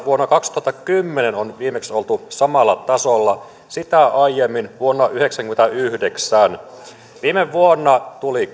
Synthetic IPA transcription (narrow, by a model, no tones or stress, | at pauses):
ʋuonːɑkɑkst̪uhɑt̪ːɑkymːenenonʋiːmeksolt̪usɑmɑlːɑt̪ɑsolːɑ | sit̪æɑijemːinʋuonːɑʔyheksæŋkyment̪æyhdeksæn | ʋiːmeʋʋuonːɑt̪uli